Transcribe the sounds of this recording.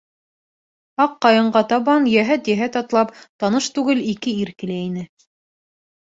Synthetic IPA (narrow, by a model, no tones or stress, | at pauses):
ɑqːɑjɤ̆ɴɢɑt̪ɑβɑnjæɦæt̪jæɦæt̪ɑt̪lˠɑp̚t̪ɑnɤʃt̪ʉɡɘlikɘiɾkɘ̆læinɘ